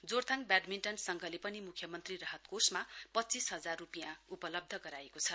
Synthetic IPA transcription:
d͡zort̪ʰãŋk̚bjaɖminʈʌnsʌŋɡʱʌlepʌnimukʰjʌmʌnt̪rirʌɦʌt̪kosmapʌtːt͡sisɦʌd͡zarrupijãupʌlʌb̚d̪ʱʌɡʌɾaekot͡sʰʌ

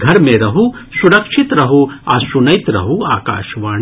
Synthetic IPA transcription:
ɡʱɐɾmẽɾɐɦusuɾɐkʃit̪ɾɐɦuɐsunɐjt̪ɾɐ̰ɦua̰ːka̰ːʃʋaː

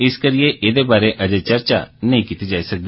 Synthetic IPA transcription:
ɪskɐɾieʔeːd̪ebaːɾeʔɐd͡ʒət͡ʃɐɾt͡ʃa̰nɐɦĩkiːt̪id͡ʒaːisɐk̚d̪eː

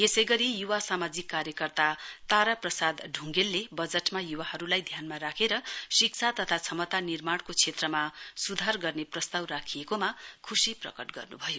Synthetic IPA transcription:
jesʌjɡʌɾijuwasamad͡zikːaɾjʌkʌrt̪at̪aɾaprʌsad̪ɖʱuŋɡelːebʌd͡zʌʈmajuwahʌɾulajd̪ʱjanmaɾakʰeɾʌsikt͡sʰat̪ʌt̪ʰat͡sʰʌmʌt̪anirmaɽkot͡sʰet̪rʌmasud̪ʱarɡʌrneprʌst̪awrakʰijekomakʰusiprʌ̰kʌʈɡʌ̰rnubʱʌjo

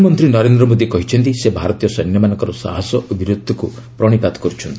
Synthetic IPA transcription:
mɔnt̪ɾinɔɾend̪ɾɔmod̪ikɔɦit͡ʃʰɔnt̪isebʱaɾɔt̪ijɔsɔjnjɔmanɔŋkɔɾɔsa̰ɦasɔʔobʱiɾud̪ʱːɔku | pɾɔɽ̃ipat̪ɔ̥kɔɾut͡ʃʰɔnt̪i̥

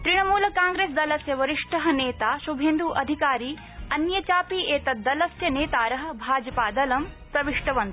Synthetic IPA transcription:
t̪ɾiɳ̃ɐmuːlɐkaːŋɡɾeːs̬d̪ɐlɐsjɐʋɐɾiʂʈɐɦɐ̆neːt̪aːʃubʱend̪uːʔɐd̪ʱikaːɾiː | ɐnjɐt͡ʃaːpiːeːt̪ɐd̪ɐlɐsjɐneːt̪aːɾɐɦɐ̆bʱaːd͡ʒɐpaːd̪ɐlɐmsɾɐʋiʂʈɐʋɐnt̪

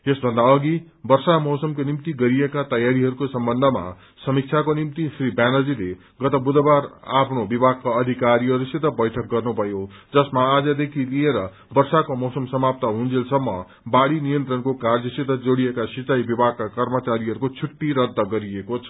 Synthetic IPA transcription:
esbʱʌnd̪aʌɡi | bʌrsamʌwsʌmkonimt̪iɡʌɾijekat̪ʌjaɾiɦʌɾukosʌmbʌnd̪ʱʌma̰ | sʌmik̚t͡sʰakonimt̪isribjanʌd͡zile | ɡʌt̪ʌbud̪ʱʌbaɾapʰnobibʱaɡ̚kaʌd̪ʱikaɾiɦʌɾusʰit̪ʌbʌjʈʰʌk̚ɡʌrnupʌjod͡zʌsmaːd͡zʌd̪ekʰilieɾʌ | bʌrsakomʌwsʌmsʌmap̚t̪ʌɦũnd͡zelsʌmːʌ̰ | baɽinijʌnt̪rʌnkokard͡zʌsit̪ʌd͡zoɽijekasit͡sajbibʱaɡ̚kakʌrmʌt͡saɾiɦʌɾukot͡sʰuʈːiɾʌd̪ʱːʌɡʌɾiekot͡sʰʌ̥

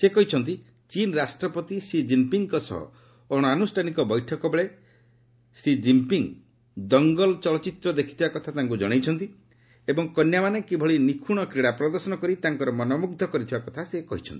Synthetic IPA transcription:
sekɔɦit͡ʃʰɔnt̪i | t͡ʃinɾasʈɾɔpɔt̪isid͡ʒimpiŋkɔsɔ̰ɦɔ̰ | ɔɽ̃ɔanusʈʰanikɔbɔjʈʰɔkɔbeɭe | sid͡ʒimpiŋ | d̪ɔŋɡɔlt͡ʃɔlɔt͡ʃit̪ɾɔd̪ekʰi̥t̪ʰibakɔt̪ʰat̪aŋk̬ud͡ʒɔɽ̃ejt͡ʃʰɔnt̪i | ebɔŋkɔnjamanekibʱɔɭinikʰuɽ̃ɔkɾiɽapɾɔd̪ɔɾsɔnɔkɔɾit̪aŋkɔɾɔmɔnɔmuɡ̚d̪ʱɔkɔɾit̪ʰibakɔt̪ʰasekɔɦit͡ʃʰɔ̰nt̪i̥

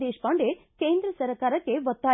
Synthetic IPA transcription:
eːʃpaɳɖe | keːnd̪ɾɐsɐɾkaːɾɐkːeʋɐt̪ːaː

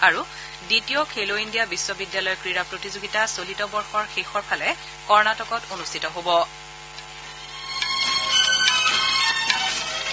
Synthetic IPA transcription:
aɹu | ditijɔkʰeloindijabisːɔbidjalɔjɔkɹiɹapɹotizoɡitasolitɔbɔɹxɔɹxexɔɹpʰalɛ | kɔɹnatɔkɔtonustʰitɔɦobɔ

